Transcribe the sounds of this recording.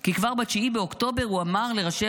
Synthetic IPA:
kikvaʁbat͡ʃiibeokt̪o̞beʁuamaʁle̞ʁaʃe

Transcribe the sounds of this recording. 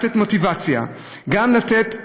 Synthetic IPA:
t̪etmo̞tivat͡sja̰ | ɡamlat̪et̪

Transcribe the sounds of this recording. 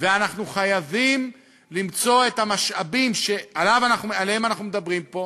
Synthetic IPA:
veanaχnuχajavim | limt͡so̞e̞tamaʃabimʃe̞alavanaχnumealehemanaχnumed̪abʁimpo̞

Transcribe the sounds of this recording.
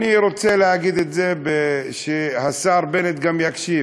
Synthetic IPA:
niɾot͡seleaɡid̪et̪zebeʃehasaɾbenet̪̚ɡamjakʃi

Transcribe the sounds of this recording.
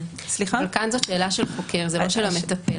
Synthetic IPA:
slilkanzotʃe̞ːlaʃe̞lχo̞kʰeʁzeloʃelomet̪ape

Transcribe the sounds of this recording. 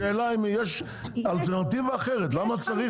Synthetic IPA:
eːlaimjeʃ | alt̪eʁnat̪ivaːχeʁet̪lamat͡saʁi

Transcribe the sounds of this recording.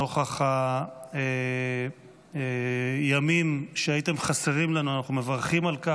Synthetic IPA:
oχaχae | jamimʃeajite̞mχaseʁimlanuanaχnume̞vaʁχimalka

